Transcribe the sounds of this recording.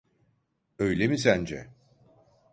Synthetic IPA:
ø̞jlʲemisænd͡ʒɛ̰

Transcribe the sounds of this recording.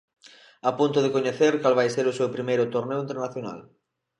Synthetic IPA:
apunt̪ʊðekoɲeθeɾkalβ̞ajseɾʊsewpɾimejɾʊt̪oɾnewint̪eɾnaθjona̰l

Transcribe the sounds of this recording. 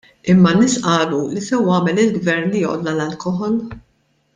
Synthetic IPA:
ɪmːɐnːɪːsʔɐːlulisɛwɐːmɛlɪlɡvɛɾnlijɔːʔɔ̰d̪lɐlɐlkɔɦɔl

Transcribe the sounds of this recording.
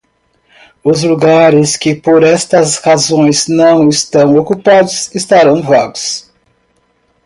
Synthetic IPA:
ʊzluɡaɾɪskɪpoɾɛst̪ɐshazõj̃znɐ̃w̃ɪst̪ɐ̃w̃okupad̪ʊsɪst̪aɾɐ̃w̃vaɡʊs

